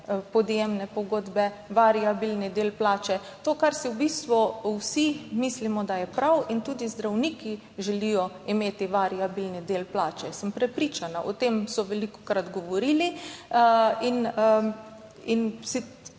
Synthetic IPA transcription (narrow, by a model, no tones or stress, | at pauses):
pɔd̪jemnɛpɔɡoːd̪bɛʋaɾiabilnid̪eːlplaːt͡ʃɛt̪oːkaɾsiwbist̪ʋuwsimiːslimɔd̪ajɛpɾawint̪uːd̪izd̪ɾawniki | ʒɛlijɔ | imeːt̪iʋaɾiabilnid̪eːlplaːt͡ʃɛsəmpɾɛpɾit͡ʃanaʔɔt̪emsɔʋɛlikɔ̥kɾat̪ɡɔʋɔɾiːli | in | insi